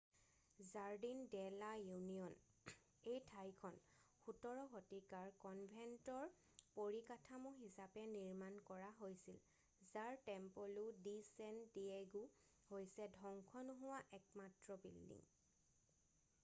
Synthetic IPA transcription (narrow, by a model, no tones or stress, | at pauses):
zaɹdindɛlajuniɔn | ejtʰajkʰɔnxutɔɹɔxɔtikaɹkɔnbʱɛntɔɹ | poɹikatʰamuɦisapɛniɹmankɔɹaɦojsil | zaɹtɛmpoludisɛndieɡu | hojsɛdʱɔŋkʰɔnʊɦʊwaʔɛk̚matɹɔbḭldḭŋ